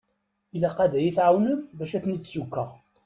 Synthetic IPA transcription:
ilæqæðæjiθʕawnəmbæʃæθniːsukːəʁ

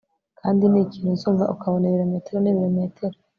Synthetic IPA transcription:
kʰaːndiniːciːnuzuːɱva̰ʔukʰaβoneβiɾome̞ːtʰeɾoniβiɾomeːtʰe̞ɾo

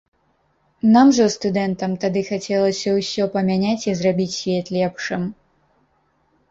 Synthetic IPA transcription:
namʐɐst̪ud̪ɛnt̪ɐmt̪ad̪ɨxat͡sʲɛlˠɐsʲɐwsʲɔpɐmʲanʲat͡sʲizrabʲit͡sʲsʲvʲɛt̪lʲɛpʂɨm

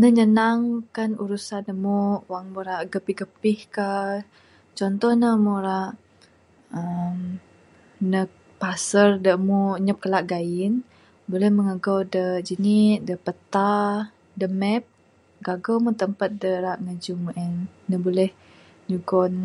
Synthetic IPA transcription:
nəɲənaŋkanuɾusanəmuwaŋmuɾaʔɡəpiɡəpɪhka | t͡ʃɔnt̪ɔhnəmuɾaʔ | əm | nə | pasərdəmuɲəp̚kəlaʔɡaɪn | bolɛhməŋaɡawdəd͡ʒənit̪̚dəpət̪a | dəmɛp̚ | ɡaɡomut̪əmpat̪̚dəɾaʔŋəd͡ʒumuʔɛnnəbolɛh | ɲuɡɔn

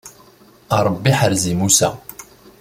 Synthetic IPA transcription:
ɑɾˤəbːiħəɾzimusæ̰

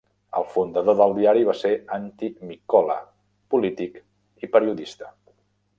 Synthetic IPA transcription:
ə̰lˠfund̪əðoðəlˠd̪iaɾiβ̞aseant̪imikɔlə̰ | pulit̪ik | ipəɾiuðist̪ə̥

